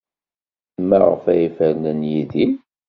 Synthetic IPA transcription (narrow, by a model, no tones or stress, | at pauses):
mːæʁə̰fæjifəɾnənjiðin